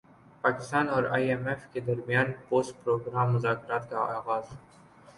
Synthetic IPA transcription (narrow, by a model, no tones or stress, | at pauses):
paːkɪst̪aːnɔːɾaːjemeːfked̪ɐɾmɪjaːnpoːst̪̚pɾoːɡɾaːmːʊzaːkɾaːt̪ka̰ɑːɣaːz